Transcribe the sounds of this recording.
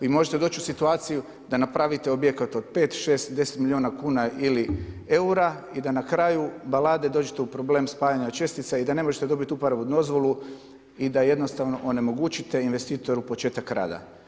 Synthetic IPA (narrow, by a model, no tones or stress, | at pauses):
imo̞ʒet̪e̞d̪o̞ːt͡ɕusit̪uaːt̪siju | d̪anapɾaʋit̪e̞obje̞kat̪o̞d̪̥peːt̪ʃe̞ːst̪d̪e̞set̪milʎʲionakuːnaʔilie̞uɾa | id̪anakɾajubalaːd̪e̞d̪o̞ːd͡ʒet̪eupɾo̞ble̞ːmspaːjaɲat͡ʃe̞st̪it̪said̪ane̞mo̞ʒe̞t̪ed̪o̞bit̪ʲupaɾaʋud̪o̞zʋo̞lu | id̪aje̞d̪nost̪aʋno̞ʔone̞mo̞ɡuːt͡ʃit̪e̞inʋe̞st̪iːt̪o̞ɾupo̞t͡ʃe̞ːt̪akɾa̰ːd̪a̰